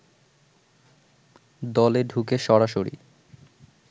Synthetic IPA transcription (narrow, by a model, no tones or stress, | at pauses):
d̪ɔleɖʱukeʃɔɾaʃoɾḭ